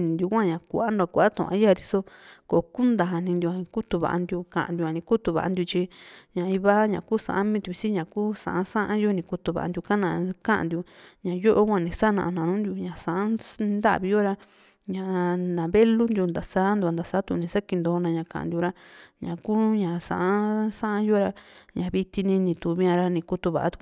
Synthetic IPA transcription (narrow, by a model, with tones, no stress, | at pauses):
nĩ˨nd̪ju˧kʷã˦ɲã˨kʷa˨a˦nd̪u˧a˧kʷa˨ʔt̪ṵ̃˨ʔã̰˧˦a˦˧ɾi˧so˧ko˨ku˦nd̪a˨nĩ˧nd̪ju˧a˨ĩ˧ku˦t̪u˧βa̰˨a̰˧nd̪ju˧kã̰˨ʔã̰˨nd̪jã˨˧nĩ˧ku˦t̪u˧βa̰˨ʔa̰˧d̪ju˧t͡ʃi˧ɲã˨i˧βa˦ɲã̰˨kuː˦sã̰˨ʔmĩ˧d̪ʲu˧i˧si˦ɲã˨ku˦sã̰˨ʔã˦sã˦ʔã˦jo˦nĩ˧ku˧t̪u˧βa̰˨a̰˧d̪ju˧ka˦nã˧˨˧kã˦ʔã̰˨nd̪ju˧ɲã˨jo˦ʔo˦kʷã˧˨nĩ˧sa˦nã̰˧ʔnã˧nũ˦nd̪ju˧ɲã˨sã˧˨ʔa˦˧nd̪a˦ʔβi˧jo˦ɾa˧ | ɲã˨˧nã˨βe˦lu˦nd̪ju˧nd̪a˨saː˦nd̪u˧a˧nd̪a˨saː˦t̪u˧˨nĩ˧sa˦ki˧nd̪o˧nã˧ɲã˧kã̰˨ʔã̰˧nd̪ju˧ɾa˧ɲã˨ku˦ɲã˨sã̰˧˨ʔa˦sã˦ʔa˦jo˦ɾa˧ɲã˨βi˧t̪i˧nĩ˧nĩ˧t̪u˨βĩ˧ã˧ɾa˧nĩ˧ku˧t̪u˧βa̰˨ʔa˧t̪u̥˧